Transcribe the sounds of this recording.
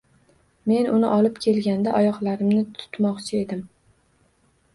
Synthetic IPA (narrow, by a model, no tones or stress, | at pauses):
me̞nʊnɪʔɒlˠɪpkʲʰe̞lɡʲand̪aʔɒjɒqlaɾɪmnɪt̪ʰʊ̥t̪mɒqt͡ʃʰɪe̞d̪ɪm